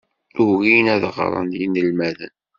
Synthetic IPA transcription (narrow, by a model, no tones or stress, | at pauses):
ʊɣinæðʁ̰ɾˤə̰njinəlmæðə̰n